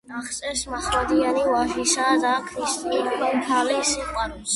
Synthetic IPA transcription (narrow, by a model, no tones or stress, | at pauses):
naχt̪sʼɛɾsmaχɾad̪ianivaʒisad̪akʰɾist̪ʼit̪ʰalisiqʼwaɾɛs